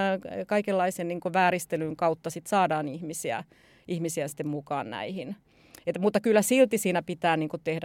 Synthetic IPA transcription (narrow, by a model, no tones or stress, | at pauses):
kɑikelːɑisenniːŋkoʋæːɾist̪elyŋkɑut̪ːɑsit̪sɑːdɑːnihmisiæ̰ | ʔihmisiæsi̥t̪ːemmukɑ̰ːnnæ̰ihin | et̪ːmut̪ːɑkylːæsilt̪isiːnæpit̪æːniːŋkot̪ehd